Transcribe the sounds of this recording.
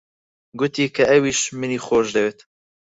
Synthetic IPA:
ɡʊt̪iːkʰɐɛwiːʃmɨniːxoːʒd̪ɛwet̪

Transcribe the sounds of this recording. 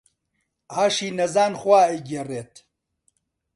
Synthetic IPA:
aːʃiːnɐzaːnxwaːeɡereːt̪

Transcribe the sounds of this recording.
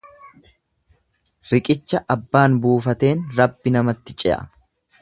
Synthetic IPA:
ɾɪkʼɪt͡ʃːɐʔɐbːaːnbuːfɐt̪e̞ːnɾɐbːɪnɐmɐt̪ːɪt͡ʃʼɪʔɐ̰

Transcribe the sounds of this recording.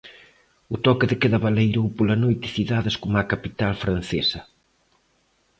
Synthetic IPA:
ʊt̪ɔkɪðɪkeðɐβalejɾowpolɐnojt̪ɪ̥θiðaðɪskomɐkapit̪alfɾan̟θesɐ

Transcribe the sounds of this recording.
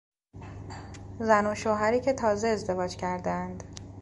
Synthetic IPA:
zænoʃoːɦæɾiːcʰe̞t̪ʰɒːze̞ːzd̪e̞vɒːd͡ʒcʰæɾd̪eænd̪

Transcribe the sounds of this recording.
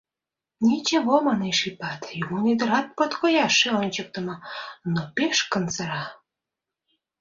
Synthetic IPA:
nʲit͡ɕeβomɑneʃipɑt̪jumonid̪ə̆ɾɑt̪̚pot̪kojɑʃeonʲt͡ɕək̚t̪ə̆mə̆nopeʃkənt͡səɾɑ

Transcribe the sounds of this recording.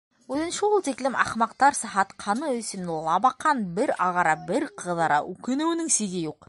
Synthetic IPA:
ʉðɘ̆nʃɘulˠt̪iklɘmɑ̰χmɑqt̪ɑɾsɑ̆ɦɑt̪qʰɑnɤɵ̆sĭmnulˠɑbɑqːɑnbɘɾɑʁɑɾɑbɘɾqʰɤ̆ðɑɾɑ̰ʔʉkɘ̆nɘ̆wɘ̆nɘŋsiɡɘjuq

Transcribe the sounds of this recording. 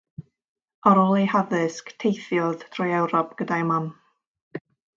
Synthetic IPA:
ɔɾɔlˠihaðɨsktʰejθjɔðtʰrɔjɛwɾɔp̚ʰɡ̥ədajman

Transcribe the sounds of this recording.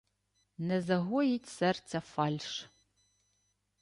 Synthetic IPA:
nɐzɐɣojitʲsɛrt͡sɐfaːlʲʂ

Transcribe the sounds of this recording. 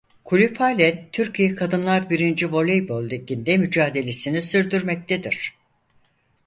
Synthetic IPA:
kʰulʲypʰalʲɛnt̪ʰyɾcʰijɛkʰad̪ɯnlˠaɾbiɾind͡ʒivo̞lʲejbolˠd̪eɟind̪ɛmyd͡ʒaːd̪e̞lʲesinisyɾd̪yɾmɛc̚t̪ʰed̪iɾ̥

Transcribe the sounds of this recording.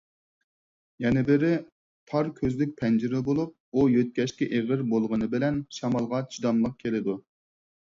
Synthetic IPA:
jɛnɪbɪɾɪ | t̪ʰɑɾkʲʰøzlɪk̚ʲpʰɛnd͡ʒiɾɪbolˠup̚ujøt̪̚kʲɛʃkʲɛʔeʁɪɾbolˠʁənɨbɪlɛnʃɑmɑlˠʁɑt͡ʃʰid̪ɑmlˠəq̚kʲʰelɪd̪u

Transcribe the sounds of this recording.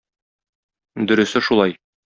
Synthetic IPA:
d̪ɵ̆ɾɵ̆sɘʃulˠɑj

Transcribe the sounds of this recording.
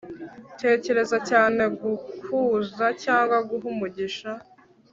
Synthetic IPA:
tʰe̞ːce̞ɾe̞zacaːne̞ɡuhuːzacaːŋɡwaɡuɦumuɟiʃa

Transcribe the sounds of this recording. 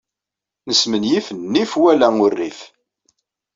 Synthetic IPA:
nəsmənjifənːifwælæʊrːif

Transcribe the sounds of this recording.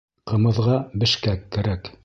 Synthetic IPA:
qɤ̆mɤ̆ðʁɑbɘ̆ʃkækːæɾæk

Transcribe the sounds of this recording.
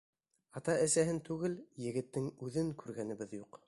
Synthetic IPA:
ɑt̪ɑʔæsæɦɘnt̪ʉɡɘljɘ̆ɡɘ̆t̪ːɘŋʉðɘŋkʰʉɾɡænɘ̆βɘðjuq

